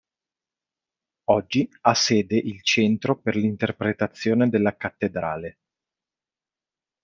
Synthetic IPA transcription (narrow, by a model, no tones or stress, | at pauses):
ɔd͡ʒːiasːeːd̪eʔilt͡ʃɛnt̪ɾoperlint̪erpɾet̪at̪sːjoːned̪elːakat̪ːed̪ɾaːle